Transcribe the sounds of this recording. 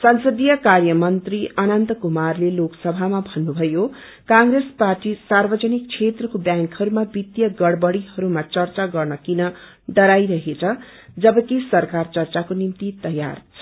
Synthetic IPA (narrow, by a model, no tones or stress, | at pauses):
sʌnsʌd̪ijʌkarjʌmʌnt̪riʔʌnʌnt̪ʌkumarleloksʌbʱamabʱʌnːubʱʌjo | kãŋɾesparʈisarbʌd͡zʌnik̚t͡sʰet̪rʌkobjãŋkhʌɾumabit̪jʌɡʌɽbʌɽiɦʌɾumat͡sʌrt͡saɡʌrnʌkinʌ | ɖʌɾajɾʌɦet͡sʰʌ | d͡zʌbʌkisʌrkart͡sʌrt͡sakonimt̪it̪ʌja̰rt͡sʰʌ